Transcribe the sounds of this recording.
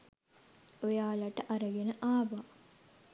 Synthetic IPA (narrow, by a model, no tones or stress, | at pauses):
ojaːlɐʈəʔaɾəɡenəʔaːʋaː